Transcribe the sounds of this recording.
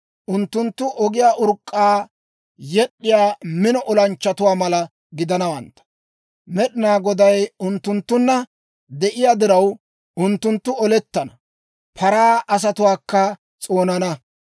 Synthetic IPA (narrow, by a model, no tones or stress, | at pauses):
ʔʊnt̪ːʊnt̪ːʊʔɔɡɪjaːʔʊɾkʼːaː | jɛɗːɪjaːmɪnɔʔɔlɐnt͡ʃːɐt̪ʊwaːmɐlɐ | ɡɪd̪ɐnɐwɐnt̪ːɐ̥ | mɛɗɪnaːɡɔd̪ɐjʊnt̪ːʊnt̪ːʊnːɐ | d̪ɛʔɪjaːd̪ɪɾɐw | ʊnt̪ːʊnt̪ːʊɔlɛt̪ːɐnɐ | pʰɐɾaːʔɐs̬ɐt̪ʊwaːkːɐ | t͡sʼo̞ːnɐnɐ